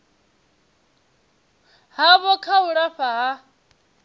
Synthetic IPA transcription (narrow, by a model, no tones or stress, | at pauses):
ɦaβɔkʰauɺaɸaɦa